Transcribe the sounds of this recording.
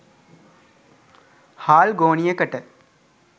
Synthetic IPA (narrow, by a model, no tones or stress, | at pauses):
haːlɡoːɳijɐkɐʈə